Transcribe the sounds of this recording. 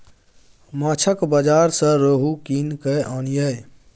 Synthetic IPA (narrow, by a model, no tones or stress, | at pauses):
mãːt͡ʃʰəkbəd͡ʒaːɾsə̃ɾəɦukinkəʔɔnjəj